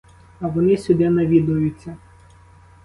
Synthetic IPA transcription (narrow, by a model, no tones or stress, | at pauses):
ɐʋɔnɪsʲʊd̪ɛnɐʋʲid̪ʊjʊt͡sʲːɐ